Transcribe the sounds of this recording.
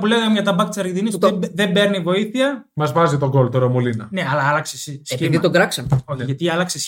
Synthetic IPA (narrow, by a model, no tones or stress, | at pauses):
puleɣɐmʝɐt̪ɐbɐkt̪isɐɾʝend̪inisðe̞mbe̞ɾnivo̞iθiɐmɐzvɐzit̪o̞ɡo̞lt̪oɾomolinɐ̰neɐlɐɐlɐksesiseiðit̪oɡɾɐksɐmoçiʝɐt̪iɐlɐkses